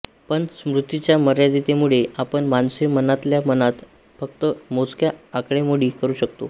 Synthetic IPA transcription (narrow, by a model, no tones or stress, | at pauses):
pəɳsmɾut̪ːit͡ɕjaməɾjad̪it̪emuɭeapəɳmansimənat̪ljamənat̪ | fəkt̪əmot͡skjaakɽemoɽiːkəɾuːɕəkt̪o̰